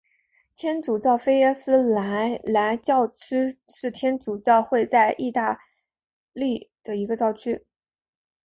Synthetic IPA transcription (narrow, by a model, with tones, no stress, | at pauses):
t̪ʰjɛ˥nt͡su˨˩t͡sɑ˥˩ʊfe˥ɪə˥sɹ̩˥la˧˥ɪla˧˥ɪt͡ɕjɑ˥˩ʊt͡ɕʰy˥ʂɻ̩˥˩t̪ʰjɛ˥nt͡su˨˩t͡sɑ˥˧ʊxwe˥˧ɪt͡sa˥˧ɪʔi˥˧t̪a˥˧ | li˥˩d̪̥ə˩i˧˥ɡə˧t͡sjɑ˥˩ʊt͡ɕʰy˥